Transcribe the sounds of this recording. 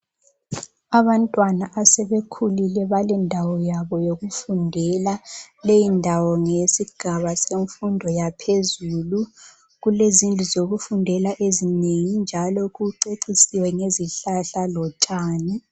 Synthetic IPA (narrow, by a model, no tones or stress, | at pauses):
aβantʼwanaʔasɛβekʰulilɛβalɛndʱawɔjaβɔjoɣufundʱɛlalejindʱawɔŋesiɡ̥ʱaβaseɱfundʱɔjapʰezulu | ɣulezind͡ɮʱizoɣufundʱɛlaʔezineŋind͡ʒʱalɔɣuǃeǀisiwɛŋeziɬaɬalɔt͡ʃʼaːni